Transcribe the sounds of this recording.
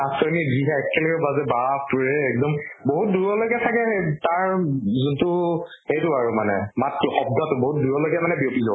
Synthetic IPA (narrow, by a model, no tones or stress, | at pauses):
asɔɹniziɦɛɛkʰːɛlɔjɛbazɛbapuɹɛːk̚dɔmboɦut̚duɹɔlojɡɛtʰakɛtaɹzuntʊ | hejtʊaɹumanɛ̰matkixɔb̚dʱatʊboɦut̚duɹɔlojɡɛmanɛbiopizɔ